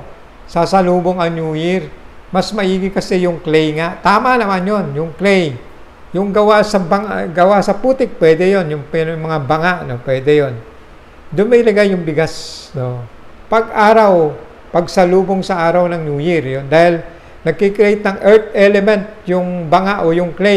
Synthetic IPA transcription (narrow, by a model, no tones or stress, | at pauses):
sasɐluːboŋɐŋnjuːjɪɹmɐsmɐʔiːɡɪkɐsɛjʊŋklɛjŋaʔt̪aːmanɐmanjo̞njʊŋklɛj | jʊŋɡɐwasɐbɐŋaɡɐwasɐpuːt̪ɪk̚pwɛːd̪ɛjonjʊŋpnmɐŋabɐŋaʔno̞pwɛːd̪ɛjon | d̪ʊnmɛjlɐɡajʊŋbɪɡasno̞ | pɐɡʔaːɾɐw | pɐɡsɐluːboŋsɐʔaːɾɐwnɐŋnjuːjɪɾjond̪aːhɪl | nɐɡ̚kɪkɾejt̪̚nɐŋʔɛɹt̪̚ʔɛlɛmɛnt̪̚jʊŋbɐŋaʔojʊŋklɛ